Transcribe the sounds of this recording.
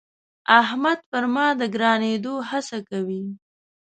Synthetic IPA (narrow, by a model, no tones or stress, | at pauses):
aɦmad̪̚pəɾmɑd̪əɡɾɑned̪ohasakawi